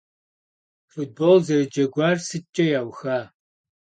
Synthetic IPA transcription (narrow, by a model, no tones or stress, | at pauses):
fut̚boːlzɐɾɨd͡ʒɐɡʷaːrsɨt͡ʃʼɐjaːwxaː